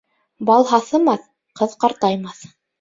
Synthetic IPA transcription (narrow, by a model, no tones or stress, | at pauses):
bɑlˠɦɑθɤ̆mɑθ | qɤðqɑɾt̪ɑjmɑθ